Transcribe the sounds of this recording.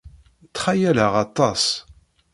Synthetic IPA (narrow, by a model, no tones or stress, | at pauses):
t͡sːχajæləʁɑt̪ˤːɑs